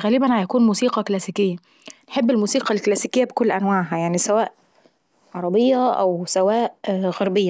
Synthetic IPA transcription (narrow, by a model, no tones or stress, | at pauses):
ɣæːlɪbænhæjækuːnmuːsiːqɑklæsikejːæ | nħebːelmuːsiːqɑlklæːsikejːæbekolːʔænwaːʕɦæjaʕnisæwæːʔ | ʕɑɾˤɑbejːæʔæ̰wsæwæːʔɣɑɾˤbejːæ